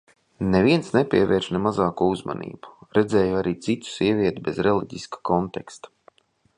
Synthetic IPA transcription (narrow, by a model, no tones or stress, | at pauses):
neviɛnsnɛpʲiɛvɛːɾʃnɛmazɑːkuuzma̰nḭːb̥u̥ɾɛd̪zɛːjuaɾiːt̪sit̪u̥sʲiɛvʲiɛt̪ubezɾɛlˠiɟiskḁkɔnt̪ɛkst̪ḁ